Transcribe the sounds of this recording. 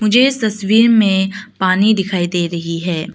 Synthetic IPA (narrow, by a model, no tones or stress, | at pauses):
mʊd͡ʒʱeɪst̪ɐswiːɾmẽpaːnid̪ɪkʰaːid̪eːɾɐɦiɦɛː